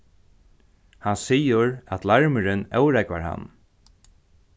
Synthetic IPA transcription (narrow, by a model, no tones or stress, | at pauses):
hansiːʊɾæat̪ʰlaɹmɪɾɪnœwɾɛkvaɹha̰nː